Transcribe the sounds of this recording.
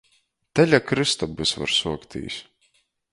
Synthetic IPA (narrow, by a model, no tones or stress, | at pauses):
t̪ɛlʲakɾɨst̪ɔbɨsva̰ɾsuɔkt̪ḭːsʲ